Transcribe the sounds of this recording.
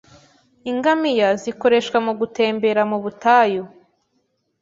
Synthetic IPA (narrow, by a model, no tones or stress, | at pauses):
iŋɡamijaziko̞ɾe̞ʃwamuɡute̞ːmbe̞ɾamuβutajo